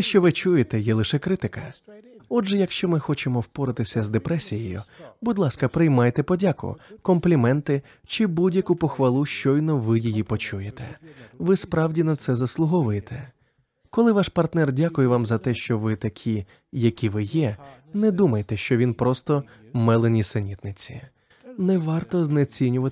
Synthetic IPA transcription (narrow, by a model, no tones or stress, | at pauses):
t̪ɛʃt͡ʃɔʋɪt͡ʃujet̪ɛjɛlˠɪʃɛkɾɪt̪ɪkɐ | ɔdʒɛjɐkʃt͡ʃɔmɪxɔt͡ʃemɔwpɔɾɪt̪ɪsʲɐzd̪epɾɛsʲijɛjʊ̰bʊd̪ʲlˠɑskɐpɾɪjmɑjt̪ɛpɔdʲakʊ̰kɔmplʲimɛnt̪ɪ | t͡ʃɪbudʲjɐkʊpɔxʋɐlˠuʃt͡ʃɔjnɔʋɪjɪjipɔt͡ʃujet̪ɛ̰ʋɪspɾɑwdʲinɐt̪sɛzɐslˠʊɦɔʋʊjet̪ʰɛ | kɔlˠɪʋɑʃpɐrt̪nɛrdʲakʊjɛʋɑmzɐt̪ɛʃt͡ʃɔʋɪt̪ɐkʲʰi | jɐkʲiʋɪjɛ | nɛd̪umɐjet̪ɛʃt͡ʃɔʋʲinpɾɔst̪ɔ | mɛlˠenʲisenʲit̪nɪt͡sʲḭ | nɛʋɑrt̪ɔznɛt͡sʲinʲʊʋɐt̪